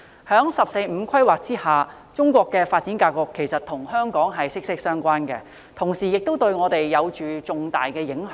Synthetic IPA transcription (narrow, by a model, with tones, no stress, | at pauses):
hœː˨˥ŋsɐ˨p̚se˧jm̩˨˧kʰɐ˥jwaː˨k̚t͡siː˥haː˨ | t͡sʊ˥ŋkʷɔː˧kːɛː˧faː˧t̚t͡si˨˥nkaː˧kɔː˧kʰːe˨˩jsɐ˨t̚t̪ʰʊ˨˩ŋhœː˥ŋkɔː˨˥ŋɦɐ˨jsɪ˥k̚sɪ˥k̚sœː˥ŋkʷaː˥nkɛ̰ː˧ | t̪ʰʊ˨˩ŋsiː˨jɪ˨k̚t̪wt̪ɵ˧ɥŋɔː˨˧t̪e˨jːɐ˨˧wt͡ʃyː˨t͡sʊ˨ŋt̪aː˨jkɛː˧jɪ˨˥ŋh